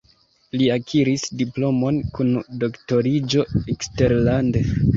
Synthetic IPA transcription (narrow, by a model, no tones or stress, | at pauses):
liakʰiɾisdiplo̞mo̞nkundo̞kto̞ɾid͡ʒo̞ekste̞ɾlande